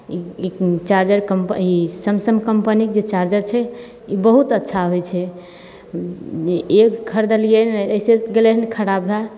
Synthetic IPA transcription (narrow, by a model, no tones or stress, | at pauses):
iit͡ʃaɾd͡ʒəɾkəmisəmsəmkəmpənikd͡ʒet͡ʃaɾd͡ʒəɾt͡ʃʰɛ | ibəɦut̪ətːʃʰaɦojt͡ʃʰɛ | eekkʰəɾd̪əlienəiseɡeleɦnkʰəɾabɦɛ